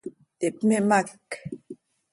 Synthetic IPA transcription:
tepmemak

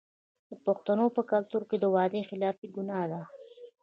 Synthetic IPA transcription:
d̪̥əpʊxt̪anopəkalt̪uɾked̪əwɑd̪exɪlɑfiɡunɑd̪a

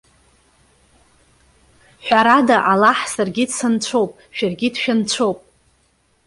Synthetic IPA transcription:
ħʷᶣaɾadaʔalaħsarɡʲidsant͡sʷʰo̞wpʼ | ʃᶣarɡʲidʃᶣant͡sʷʰowpʼ

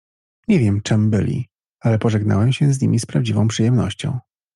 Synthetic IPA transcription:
ɲɛvʲjɛmt͡ʂɛmbɘ̰lʲḭ | alɛpɔʐɛɡna̰wɛmɕɛzɲimʲispɾavd͡ʑivɔ̃w̃pʂɘjɛmnɔ̰ɕt͡ɕɔ̰̃w̃

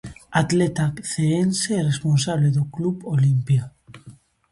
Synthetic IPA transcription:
at̪let̪akθeenseresponsaβleðoklupolimpja

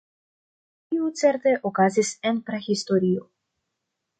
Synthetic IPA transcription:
tiut͡se̞ɾt̪e̞ʔokazisenpɾehist̪o̞ɾio

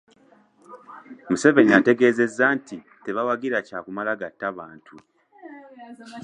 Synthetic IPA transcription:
muse̞veniate̞ɡe̞ːze̞zːantʰi | te̞βawaɡiɾacaːkumalaɡatːaβaːntʰu

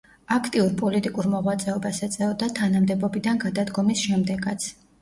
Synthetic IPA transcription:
akʰt̪ʼiuɾpʼɔlit̪ʼikʼuɾmɔʁwat̪sʼɛɔbasɛt̪sʼɛɔd̪at̪ʰanamd̪ɛbɔbid̪anɡad̪ad̪ɡɔmisʃɛmd̪ɛɡat̪sʰ

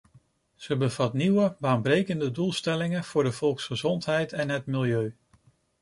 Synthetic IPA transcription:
z̥əbəvɑtniwəbaːnbrejkəndədulˠstɛlɪŋənv̥ʊːɹdəv̥ɔlˠksχəzɔntɦɛjtɛnɦətmɪlˠjøɥ

